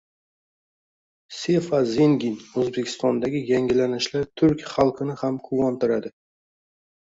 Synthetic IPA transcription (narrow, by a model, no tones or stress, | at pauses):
se̞fazeŋɡʲinɵzbekʲʰɪ̥st̪ɒnd̪aɡʲɪjaŋʲɪlanɪʃlaɾt̪ʰʊɾkʲχɑlˠqʰɨnɪhamkʰʊwɒnt̪ɪɾad̪ɪ